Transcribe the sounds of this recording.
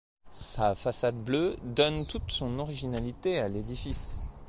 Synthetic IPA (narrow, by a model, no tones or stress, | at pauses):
safasad̪blød̪ɔnt̪ut̪sɔ̃nɔʁiʒinalit̪ealed̪ifis